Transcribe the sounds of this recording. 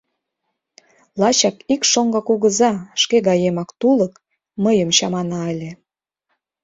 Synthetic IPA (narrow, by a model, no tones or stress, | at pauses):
lɑt͡ɕɑkikʃoŋɡɤkuɣəzɑʃkeɣɑjemɑkt̪ulək | məjəmɕɑmɑnɑelʲe